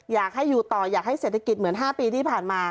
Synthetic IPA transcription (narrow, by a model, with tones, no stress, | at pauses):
jaː˨˩k̚ɦa˥˩jːuː˨˩t̪ɔː˨˩jaː˨˩k̚ha˥˩jseː˨˩t̪ʰːa˧ki˨˩t̪̚m˩˦ənɦaː˥˩piː˧iː˥˩pʰaː˨˩nmaː˧